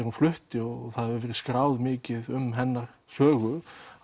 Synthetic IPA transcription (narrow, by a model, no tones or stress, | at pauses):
ɛɾunflʏht̪ɪɔɣɣθaðɛvʏɾvɛːɾɪskɾaːwðmɪːcɪðʏmɦɛnːaɾ̥ | sœːɣʏ